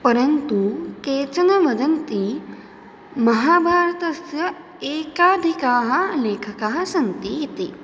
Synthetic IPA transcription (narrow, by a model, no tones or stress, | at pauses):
pɐɾɐnt̪ukeːt͡ʃɐnɐʋɐdɐnt̪i | mɐɦaːbʱaːɾɐt̪ɐsjɐ | eːkaːd̪ʱikaːɦɐleːkʰɐkaːɦɐsɐnt̪ijet̪iː